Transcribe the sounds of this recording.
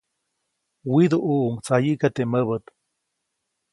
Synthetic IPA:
wid̪uʔuʔuŋt͡sajikat̪eməβət̪

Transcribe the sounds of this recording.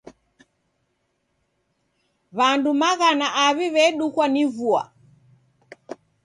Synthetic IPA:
βandumaɣanaʔaβiβɛɗukwanivua̰

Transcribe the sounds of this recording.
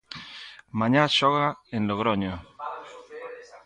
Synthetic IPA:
maɲaʃoɣaẽnloɣɾoɲo

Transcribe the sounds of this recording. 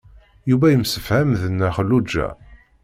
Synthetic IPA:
juvæjəmsəfhæmðənːæχəlːud͡ʒːæ̰

